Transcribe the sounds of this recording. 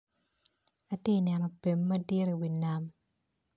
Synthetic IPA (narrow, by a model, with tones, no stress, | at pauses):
a˨te˦˨nɛ˨nɔ˨pe˨mːɐ˦di˦ɾe˨wi˨na˨m